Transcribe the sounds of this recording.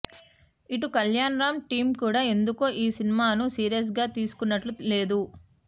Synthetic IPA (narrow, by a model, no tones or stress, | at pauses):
iʈukɐljaːnɾaːmʈiːmkuːɽaːe̞nd̪ukoːʔiːsinimaːnusiːɾijɐs̬ɡaːt̪iːsu̥kunːɐʈlule̞ːd̪u